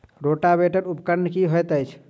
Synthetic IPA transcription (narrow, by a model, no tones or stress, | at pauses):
ɾoʈabeʈəɾupkəɾnkiɦojt̪əjt͡ʃʰ